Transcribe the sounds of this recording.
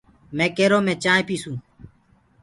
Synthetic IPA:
mẽːkeːɾoːmẽːt͡ʃãːepiːsũː

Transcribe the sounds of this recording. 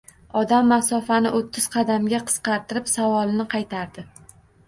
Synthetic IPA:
ɒd̪amːasɒfanɪʔot̪ʰːɪz̥qʰɑd̪amɡʲaqʰɨ̥sqɑɾt̪ɪɾɪpsavɒlˠnɪqʰɑjt̪ʰaɾd̪ɪ

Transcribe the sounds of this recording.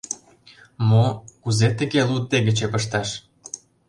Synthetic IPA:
mokuzet̪əɣelud̪̚ːeɣət͡ɕepəʃt̪ɑʃ

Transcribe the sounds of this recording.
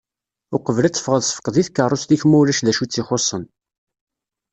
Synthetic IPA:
ʊqəvlæt͡sːə̥fʁəðsˤəfə̥qðiθkːərˤːost̪içmuwlæʃðæʃut͡sːiχosˤːən

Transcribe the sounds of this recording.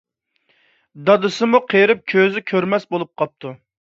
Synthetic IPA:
d̪ɑd̪ɨsɨmuqʰeɾɪp̚kʲʰøzɪkʲʰøɾmɛsbolˠup̚qʰɑp̚t̪ʰu

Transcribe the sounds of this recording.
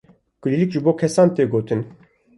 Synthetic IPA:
kɨlilikʒɨboːkʰɛsɑːnt̪eːɡoːt̪ʰɨn

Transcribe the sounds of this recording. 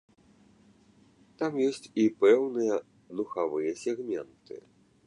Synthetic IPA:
t̪amjɔsʲt͡sʲipɛwnɨjɐ | d̪uxavɨjɐsʲɛɣmʲɛnt̪ɨ̰

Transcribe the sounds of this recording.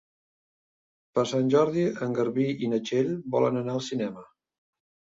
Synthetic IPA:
pəɾsanʲʒɔɾðiəŋɡəɾβiinət͡ʃeʎbɔ̰lə̰nənaəlˠsinɛmə

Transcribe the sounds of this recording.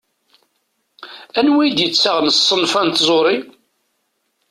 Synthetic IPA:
ænwijd̪jət͡sːaʁnəsˤːənfænt̪zˤoɾˤi

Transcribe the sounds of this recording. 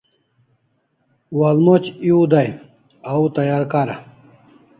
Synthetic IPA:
walmot͡ɕiud̪aj | aut̪ajaɾkaɾa̰

